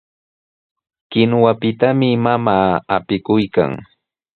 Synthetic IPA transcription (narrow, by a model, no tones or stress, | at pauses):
kɪnwapɪt̪amɪmamaːapɪkʊjka̰ŋ